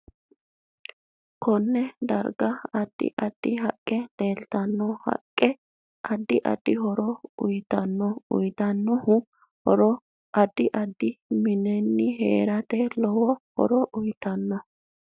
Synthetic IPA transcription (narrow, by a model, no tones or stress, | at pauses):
kʰɔnːɛd̪ɐ̰ɾɡɐɐd̪̥ːɪ̰ʔɐd̪̥ːɪɦɐkʼːɛd̪e̞ːlt̪ɐnːɔhɐ̰kʼːɛ | ʔɐd̪ːɪʔɐ̰d̪̥ːɪhɔɾɔʊjt̪ɐnːɔʊ̰jt̪ɐnːɔhʊ | hɔɾɔ | ʔɐd̪ːɪʔɐd̪ːɪmɪnɛnːɪɦḛːɾɐt̪ɛlɔwɔhɔ̰ɾɔʔʊjt̪ɐnːɐ